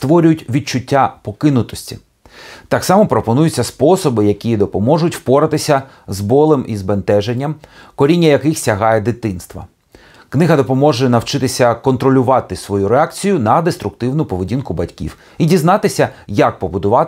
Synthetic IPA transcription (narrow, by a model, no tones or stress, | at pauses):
st̪ʋɔɾʲʊjʊtʲʋʲid̪̚t͡ʃʊtʲːapɔkɪnʊt̪ɔsʲtʲḭ | t̪ɑksɑmɔpɾɔpɔnujʊt͡sʲːɐspɔsɔbɪjɐkʲijid̪ɔpɔmɔʒʊtʲwpɔɾɐt̪ɪsʲɐ | zbɔlˠɪmʔḭzbent̪ɛʒenʲːɐmkɔɾʲinʲːɐjɐkɪxsʲɐɦɑjɛd̪ɪt̪ɪnst̪ʋɐ̰ | knɪɦɐd̪ɔpɔmɔʒɛnɐwt͡ʃɪt̪ɪsʲɐkɔnt̪ɾɔlʲʊʋɑt̪ɪsʋɔjuɾeɑk̚t͡sʲijʊnɐd̪est̪ɾʊk̚t̪ɪwnʊpɔʋedʲinkʊbɐtʲkʲḭw | idʲiznɑt̪ɪsʲɐjɐk̚pɔbʊd̪ʊʋɑ